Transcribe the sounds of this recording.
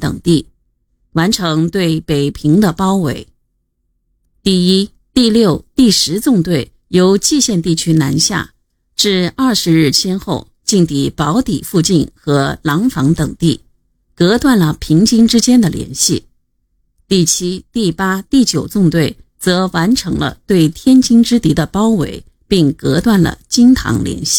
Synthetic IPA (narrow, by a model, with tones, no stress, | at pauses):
t̪ɤ̰˨˩ŋt̪i˥˩ | wa˧˥nʈ͡ʂʰɤ˧˥ŋt̪we˥˩ɪpe˨˩ɪpʰi˧˥ŋd̪ə˧pɑ˥ʊwḛ˧˥ɪ | t̪i˥˩i˥ | t̪i˥˧ljo˥˩ʊt̪i˥˩ʂɻ̩˧˥t͡sʊ˥˧ŋt̪we˥˩ɪ | jo˧˥ʊt͡ɕi˥˧ɕjɛ˥˧nt̪i˥˩t͡ɕʰy˥na˧˥nɕja̰˥˩ | ʈ͡ʂɻ̩˥˧ɐ˞˥˩ʂɻ̩˧˥ɻɻ̩˥˩t͡ɕʰjɛ˥nxo˥˧ʊ | t͡ɕi˥˩ŋt̪i˨˩pɑ˧˥ʊt̪i˨˩fu˥˧t͡ɕi˥˩nxɤ˧˥lɑ˧˥ŋfɑ˧˥ŋt̪ɤ˨˩ŋt̪i˥˩ | kɤ˧˥t̪wa˥˩nlə˩pʰi˧˥ŋt͡ɕi˥ŋʈ͡ʂɻ̩˥t͡ɕjɛ˥nd̪ə˨ljɛ̰˧˥nɕi˥˩ | t̪i˥˩t͡ɕʰi˥t̪i˥˩pa˥t̪i˥˩t͡ɕjo˨˩ʊt͡sʊ˥˧ŋt̪we˥˩ɪt͡sɤ˧˥wa˧˥nʈ͡ʂʰɤ˧˥ŋlə̰˧t̪we˥˩ɪt̪ʰjɛ˥nt͡ɕi˥ŋʈ͡ʂɻ̩˥t̪i˧˥d̪ə˨pɑ˥ʊwḛ˧˥ɪ | pi˥˩ŋkɤ˧˥t̪wa˥˩nlə̰˩t͡ɕi˥ŋt̪ʰɑ̰˧˥ŋljɛ̰˧˥nɕi̥˥˩